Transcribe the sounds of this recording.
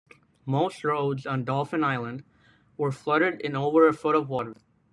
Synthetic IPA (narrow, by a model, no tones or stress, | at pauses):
moʊst̚ɹoʊdzn̩dɔlˠfɨ̃naɪlˠə̃nd̚ | wə˞flʌɾə˞ɾɨ̃noʊvə˞ɨfʊɾʌvwɔɾə˞